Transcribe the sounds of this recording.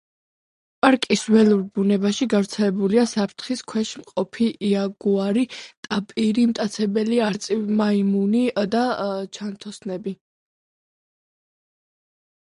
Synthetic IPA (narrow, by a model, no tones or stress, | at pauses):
pʼaɾkʼiswɛluɾbunɛbaʃiɡavɾt̪sʰɛlɛbuliasapʰɾt̪ʰχiskʰwɛʃmqʼɔpʰiːaɡuaɾit̪ʼapʼiɾimt̪ʼat̪sʰɛbɛliaɾt̪sʼimaimunid̪at͡ʃʰant̪ʰɔsnɛbi